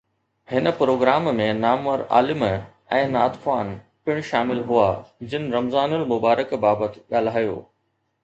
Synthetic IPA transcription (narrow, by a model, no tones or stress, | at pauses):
hɪnə̆pɾoːɡɾaːmmẽnaːmʋəɾa̰ːlɪm | ɛ̃ːnaːt̪faːn | pɪɽ̃ʃaːmɪlɦʊad͡ʑɪnɪ̆ɾɐmzaːnʊlmʊbaːɾəkbaːbət̪ɠaːl̤aːjo̰ː